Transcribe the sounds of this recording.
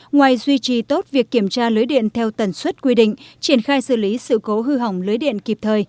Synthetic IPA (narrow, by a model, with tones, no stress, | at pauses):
ŋwaː˨˩jzwi˧t͡ɕi˨˩t̪o˦˥t̚vi˨˩əkːi˧˩əmt͡ɕaː˧lɨ˨˦jɗḭ˧˨ənt̪ʰɛ˧wt̪ə˨˩nswə˦˥t̚kwi˧ɗḭ̈˧˨ŋ̟t͡ɕi˧˩ənxaː˧jsɨ̰˧˩li˨˦sɨ̰˧˨ko˨˦ɦɨ˧ɦa˨˩wŋ͡mlɨː˨˦jɗḭ˧˨ənki˨˩p̚t̪ʰəː˨˩j